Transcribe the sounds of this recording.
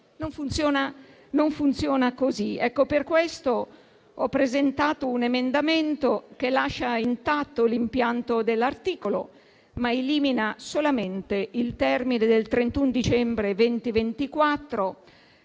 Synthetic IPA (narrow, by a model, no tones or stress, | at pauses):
noɱfunt̪sjɔːna | noɱfunt̪sjɔːnakoziɛkːoperkwɛst̪o | ɔpːɾezent̪aːt̪ounemend̪amɛnt̪okelaʃːaint̪at̪ːolimpjant̪od̪elːart̪iːkolo̰ | maeliːminasolament̪eilt̪ɛrmined̪elt̪ɾent̪und̪it͡ʃɛmbɾevɛnt̪ivent̪ikwat̪ːɾo